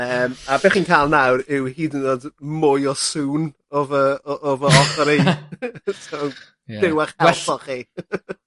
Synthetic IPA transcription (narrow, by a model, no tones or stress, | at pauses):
əːmabeːχinkʰaːlˠnawrɪwhiːdənoːdmʊjɔsuːn | ɔvəɔʔɔvəɔχɔɾi | tʰaw | d̥ɪwaχɛpʰɔχi